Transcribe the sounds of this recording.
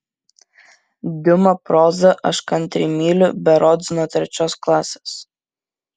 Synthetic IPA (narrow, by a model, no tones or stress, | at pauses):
d̪ʲʊmɐpɾoːzɐʔɐʃkɐnʲt̪ʲɾʲimʲiːlʲʊbʲɛɾɔd̪zʲnɔːt̪ʲɾʲɛt͡ʃʲɔsklˠɑːsʲes